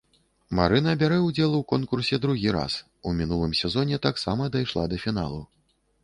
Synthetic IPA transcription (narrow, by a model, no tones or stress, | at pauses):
maɾɨnɐːbʲaɾɛwd͡zʲɛlˠwkɔnkursʲɛd̪ɾuɣʲiɾa̰s | umʲin̪ulˠɨmsʲɛzɔnʲɛt̪aksamɐd̪ajʂlˠa̰d̪ɐfʲin̪a̰lˠu